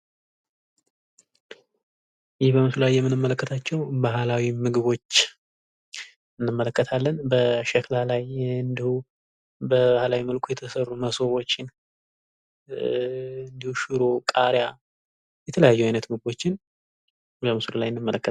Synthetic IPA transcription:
jɪhbəmɨslulajːɛmːɨnɨmːələkːət̪ʰat͡ʃːɛwbahlawimɨɡɨβo̞t͡ʃː | ɨnːɨmːələkːət̪ʰalːənbəʃəklalajɨnd̪ihu | bəbahlawimɨlkʰujɛt̪ʰəsərːuməsowo̞t͡ʃːɪn | ɨnd̪ihuʃɨɾokʼaɾja | jɛt̪ʰələjajːuajnət̪mɨɡɨbo̞t͡ʃːɪn | bəmɨsululajɨnːɨmːələkːə

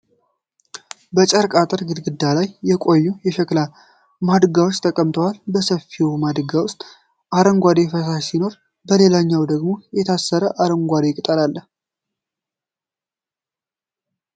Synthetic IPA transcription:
bət͡ʃʼəɾkʼat̪ʼəɾɡɨd̪ɡɨd̪ːalajːɛkʼo̞jːujɛʃəkʼla | mad̪ɨɡawot͡ʃːt̪ʰəkʼəmt̪ʰəwalbəsəfːiwmad̪ɨɡawʊst̪ʼ | ʔaɾəŋɡʷad̪e̞fətasino̞ɾ | bəle̞laɲːawd̪əɡmo̞jɛt̪ʰasːəɾəʔaɾəŋɡʷad̪ekʼt̪ʼəɾalːəh

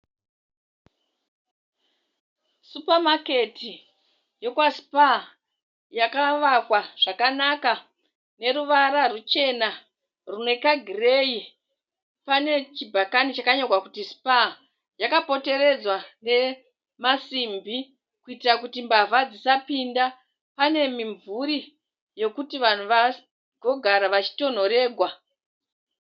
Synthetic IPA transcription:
supamake̞ti | jo̞kwaspa | jakaʋakwaʐ̥akanaka | ne̞ɾuʋaɾarut͡ʃe̞na | rune̞kaɡʱireji | pane̞t͡ʃibʱakanit͡ʃakaɲorwakutispa | jakapo̞te̞ɾe̞d͡zwane̞ | masimbʱi | kuitirakutimbavad͡zisapinda | pane̞miɱvuɾi | jo̞kutiʋan̤uʋa | ɡʱo̞ɡʱaɾaʋat͡ʃi̥to̞n̤o̞ɾe̞ːɡʱwa

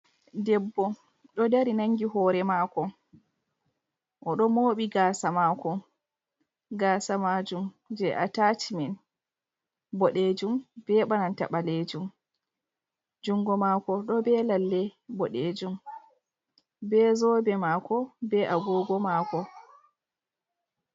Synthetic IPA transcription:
dɛbːɔ | ɗɔdaɾinaŋɡiɦɔːɾɛmaːkɔ | ʔɔɗɔmoːɓiɡaːsamakɔ | ɡaːsamad͡ʒum | d͡ʒɛʔa̰tat͡ʃimɛn | bɔɗed͡ʒumbɛɓananta̰ɓaled͡ʒum | d͡ʒuŋɡɔmaːkɔɗɔbɛlalːɛbɔɗeːd͡ʒum | bɛzɔbɛmaːkɔbɛʔaɡɔːɡɔmaːkɔ

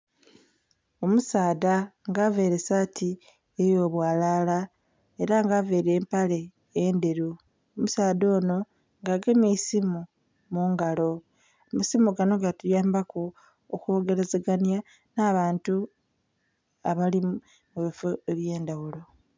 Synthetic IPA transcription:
o̞musaːdaŋɡave̞ɾe̞sati | ejo̞ːβwaːlala | e̞ɾaŋɡave̞ːɾe̞ːmpale̞ː | ndeɾu | omusaːdo̞ːno̞ | ŋɡaɡemisimu | muːŋɡalo̞ | musimuɡano̞ŋɡatujaːmbakoː | xo̞ːɡe̞ɾezeɡanja | naːβaːntu | aβali | muβifoeβje̞ːndawulo̞

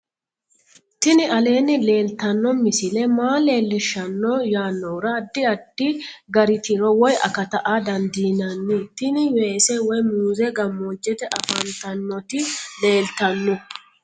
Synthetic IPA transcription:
t̪ɪnɪɐle̞ːnːɪle̞ːlt̪ɐnːɔmɪsɪlɛmaːle̞ːlːɪʃɐnːɔjaːnːɔɾɐd̪ːɪɐd̪ːɪɡɐɾɪt̪ɪɾɔwɔjɐ̰kɐt̪ɐʔad̪ɐnd̪iːnɐnːɪt̪ɪnɪweːsɛwɔjmuːzɛɡɐmːoːd͡ʒːɛt̪ɛʔɐfɐnt̪ɐnːɔt̪ɪle̞ːlt̪ɐnːʊ

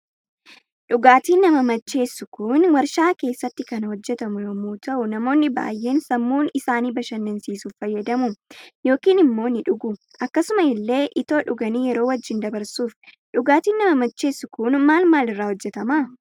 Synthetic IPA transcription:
ᶑʊɡaːt̪iːnːɐmɐmɐt͡ʃːe̞ːsːʊkʊnwɐɾʃaːke̞ːsːɐt̪ːɪkɐnhɔd͡ʒːɛt̪ɐmʊjomuːt̪ɐʔʊnɐmo̞ːnːɪba̰ːjʔe̞ːnsɐmːuːnɪsaːniːbɐʃɐnːɪnsiːsuːffɐjːɐd̪ɐmʊjo̞ːkiːnɪmːo̞ːnɪᶑʊɡʊ | ʔɐkːɐsʊmɐɪlːe̞ːʔɪt̪o̞ːᶑʊɡɐniːjɛɾo̞ːwɐd͡ʒːɪnd̪ɐbɐɾsuːf | ᶑʊɡaːt̪iːnːɐmɐmɐt͡ʃːe̞ːsːʊkʊnmaːlmaːlɪrːaːhɔd͡ʒːɛt̪ɐmaː

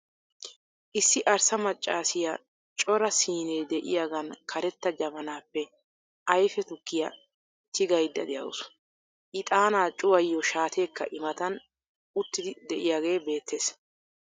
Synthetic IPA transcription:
ʔɪsːɪʔɐɾsɐmɐt͡ʃʼːaːsɪjɐ | t͡ʃʼɔɾɐsiːneːd̪ɛʔɪ̰jaːɡɐnkʰɐɾɛt̪ːɐd͡ʒɐmɐnaːpːɛ | ʔɐjfɛt̪ʊkːɪjɐ | t̪ʰɪɡɐjd̪ːɐ̰d̪ɛjɐ̰wʊ̰sʊ̥ | ʔɪt̪ʼaːnaːt͡ʃʼʊwɐjːɔʃaːt̪ʰe̞ːkːɐʔɪmɐt̪ɐn | ʊt̪ːɪd̪ɪd̪ɛʔɪjaːɡe̞ːbe̞ːt̪ːe̞ːs

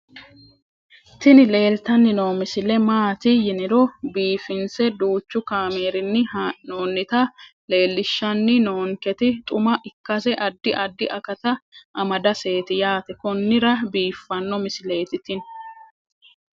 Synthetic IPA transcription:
t̪ɪnɪle̞ːlt̪ɐnːɪnoːmɪsɪlɛmaːt̪ɪjɪnɪɾɔbiːfɪnsɛd̪uːt͡ʃːʊkaːme̞ːɾɪnːɪnoːnːɪt̪ɐle̞ːlːɪʃːɐnːɪno̞ːŋkɛt̪ɪt̪ʼʊmɐʔɪkːɐsɛʔɐd̪ːɪʔɐd̪ːɪʔɐkɐt̪ɐʔɐmɐd̪ɐse̞ːt̪ɪjaːt̪ɛkɔnːɪɾɐbiːfːɐnːɔmɪsɪle̞ːt̪ɪt̪ɪn

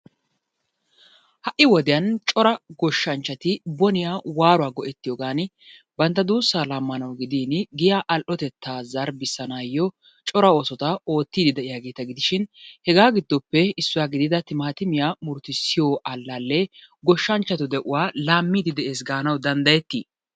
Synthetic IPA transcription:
hɐʔːɪwɔd̪ɪjɐnt͡ʃʼɔɾɐɡɔʃːɐnt͡ʃːɐt̪ɪbɔnɪjaːwaːɾʊwaːɡɔʔɛt̪ːɪjɔːɡaːnɪ | bɐnt̪ːɐd̪uːsːaːlamːɐnɐwɡɪd̪iːnɡɪjaːʔɐlʔɔt̪ɛt̪ːaːzɐɾbɪsːɐnaːjːɔ | t͡ʃʼɔɾɐo̞ːsɔt̪ɐo̞ːt̪ːiːd̪ɪd̪ɛʔɪjaːɡe̞ːt̪ɐɡɪd̪ɪʃɪnhɛɡaːɡɪd̪ːɔpːɛɪsːʊwaːɡɪd̪ɪd̪ɐt̪ɪmɐɐt̪ɪmɪjaːmʊɾt̪ːɪsːɪjoːʔɐlːalːɛɡɔʃːɐnt͡ʃːɐt̪ʊd̪ɛʔʊwaːlaːmːiːd̪ɪd̪ɛʔe̞ːs̬ɡaːnɐwd̪ɐnd̪ɐjɛt̪ːiː

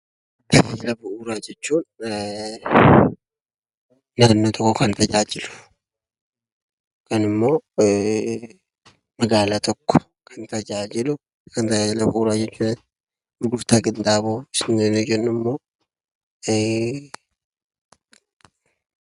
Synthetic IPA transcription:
t̪ɐlɐbʊʔuɾaːd͡ʒɛt͡ʃːuːn | naːnːot̪ʰɔkːɔkɐnt̪ɐd͡ʒaːd͡ʒɪlʊ̥ | kɐnɪmːo̞ː | mɐɡaːlat̪ʰɔkːɔ̥ | kʰɐnt̪ɐd͡ʒaːd͡ʒɪlʊ | kʰɐnt̪ɐlɐbʊuːɾad͡ʒɛt͡ʃːuːdɐn | bɡʊft̪aːɡʼɪnd̪aːboɪsɪnenod͡ʒɛnːɪmːo̞ː

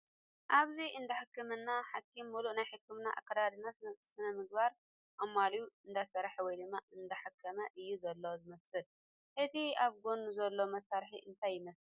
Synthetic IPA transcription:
ʔaβziʔɨnd̪ɐħɨkːɨmɐnːaħakʰːimːulunajħɨkːɨmnaʔa̰kːɐd̪ad̪ɨnassɨnɐmɨɡ̚baɾ | mɐmalijuɨnd̪asɐɾħwɔjd̪ɨmːaɨnd̪ɐħɨkʰːɐmɐʔɨjːuzɐlːozɨmɐsɨl | ʔɨt̪ʰiaβɡo̞nuzɐlːo̞mɐsaɾħiʔɨnt̪ʰajːɪmɐs

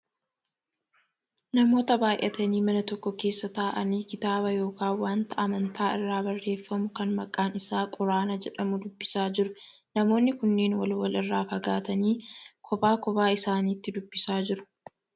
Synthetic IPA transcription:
nɐmo̞ːt̪ɐbaːjʔɛ̰t̪ɐniːmɐnɐt̪ɔkːɔke̞ːsːɐt̪aːʔɐniːkɪt̪aːbɐjo̞ːkaːwaːnt̪ɐʔɐmɐnt̪ʰaːɪrːaːbɐrːe̞ːfːɐmʊkɐnmɐkʼaːnɪsaːkʼʊɾaːnɐd͡ʒɛᶑɐmʊd̪ʊbːɪsaːd͡ʒɪɾʊ | nɐmo̞ːnːɪkʊnːe̞ːnwɐ̰lwɐlɪrːaːfɐɡaːt̪ɐniːkʰɔbaːkɔbaːɪsaːniːt̪ːɪd̪ʊbːɪsaːd͡ʒɪɾʊ̥

